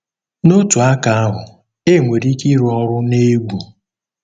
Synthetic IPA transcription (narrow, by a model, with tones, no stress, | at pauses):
no˦tu˨a˦ka˨a˦ɦʊ˨ | e˦˨ŋʷe˨ɾi˦ki˦ɾɔ˦ɾʊ˦ne˦ɡ͡bʷu˨